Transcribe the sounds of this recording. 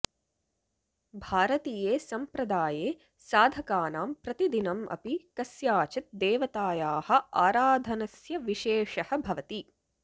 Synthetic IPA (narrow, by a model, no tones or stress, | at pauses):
bʱaːɾɐt̪iːjeːsɐmpɾɐd̪aːjeː | saːd̪ʱɐkaːnaːmpɾɐt̪id̪inɐmʔɐ̰pikɐsjaːt͡ʃɐt̪̚d̪eːʋɐt̪aːjaːhɐ̆aːɾaːd̪ʱɐnɐsjɐʋiʃeːʂɐhɐ̆bʱɐʋɐt̪i